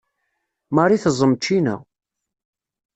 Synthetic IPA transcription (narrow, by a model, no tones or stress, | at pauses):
mɑɾˤiθəzˤːəmt͡ʃːinæ̰